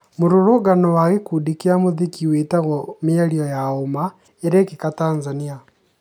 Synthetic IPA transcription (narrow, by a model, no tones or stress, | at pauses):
moɾoɾoɣanɔwaɣekudikeamoðikiwetaɣɔmiaɾiɔjaoma | eɾeːkikataːnzania